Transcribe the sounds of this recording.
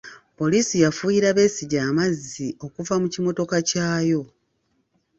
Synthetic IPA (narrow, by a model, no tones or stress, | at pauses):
po̞liːsijafujiɾaβe̞siɟaːmazːio̞kuvamucimo̞to̞kacaːjo̞